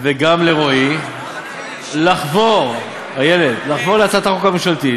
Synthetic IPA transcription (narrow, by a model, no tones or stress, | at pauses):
veɡamleʁoi | laχvoʁ | ajeled̪laχvo̞ʁleat͡sat̪aχokamiʃalt̪i